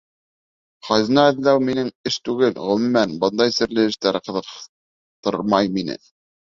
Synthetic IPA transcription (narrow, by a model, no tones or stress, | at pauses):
χɑzɤ̆nɑɘ̆ðlæwminɘŋɘʃt̪ʉɡɘlʁɵ̆m̆mːænbɤnd̪ɑjsɘ̆ɾlɘɘ̆ʃt̪æɾqɤ̆ðɤ̆q | t̪ɤ̰ɾmɑjminɘ̰